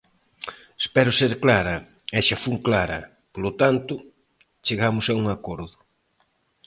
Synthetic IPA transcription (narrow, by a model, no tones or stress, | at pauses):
espɛɾʊseɾklaɾɐ | ɛʃɐfuŋklaɾɐ̰ | polʊt̪ant̪ʊ | t͡ʃeɣamʊsauŋakoɾðʊ